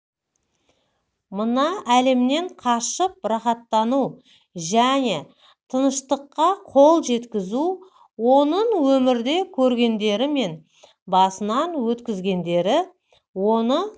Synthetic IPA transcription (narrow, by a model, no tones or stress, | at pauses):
mənɑʔæle̞mne̞ɴqʰɑʃəp̚ɾɑχɑt̪ːɑnu | ʒæne̞ | t̪ʰənəʃt̪əqːɑqʰo̞lˠʒe̞t̪kʲɪzu | wo̞nəɴwɵmɪɾd̪e̞kʲʰɵɾɡʲe̞nd̪e̞ɾɪme̞n | bɑsənɑnwɵt̪kʲɪzɡʲe̞nd̪e̞ɾɪ | wo̞nə